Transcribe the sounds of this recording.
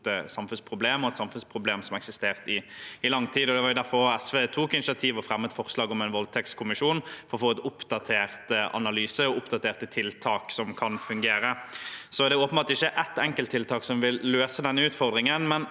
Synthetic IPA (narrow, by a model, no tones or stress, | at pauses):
əsɑmfʉnspʰʁʊbleːmɔɛt̪sɑmfʉnspʰʁʊbleːmsɔmɛksɪst̪eːʁt̪ɪɪlɑŋt̪ʰiːd̪ɔd̪ɛʋɑɾjʊd̪æɾfɔʁɔɛsʋeːt̪ʰuːkɪnɪsɪɑt̪ʰiːʋɔfʁɛmːət̪fɔʁslɑːɡɔmɛɪnʋɔlt̪ʰɛkskʰʊmɪʂuːnfɔʁɔfoːɛt̪ʊpd̪ɑt̪ʰeːʁt̪ʔɑ̰nɑlyːsəɔʊpd̪ɑt̪ʰeːʁt̪ət̪ʰɪlt̪ʰɑːksɔmkʰɑnfʉŋɡeːɾəsɔɛd̪ɛoːpənbɑːt̪ɪçːəʔɛt̪ːɛŋkəlt̪ʰːɪlt̪ʰɑːksɔmʋɪlːøːsəd̪ɛnːəʉːt̪fɔʁd̪ʁɪŋənmɛn